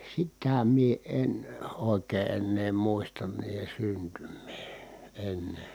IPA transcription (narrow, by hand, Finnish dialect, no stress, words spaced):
sitæ mie en oˑekeː enːeː muistɑn niːhe syntymˑeː en